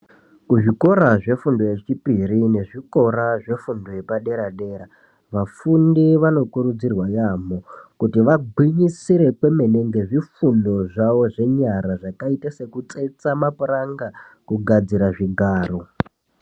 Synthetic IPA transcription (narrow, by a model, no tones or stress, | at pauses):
kuʐiko̞ɾaʐe̞fundo̞je̞t͡ʃipiɾine̞ʐiko̞ɾaʐe̞fundo̞je̞paɗeɾaɗe̞ːɾa | ʋafundiʋano̞kuɾud͡zirwajamo̞kutiʋaɡʱwiɲisiɾe̞kwe̞me̞ne̞ŋɡe̞ʐifundo̞ʐaʋo̞ʐe̞ɲaɾaʐakaitase̞kut͡sʼe̞t͡samapuraŋɡa | kuɡʱad͡ziɾaʐiɡʱaːro̞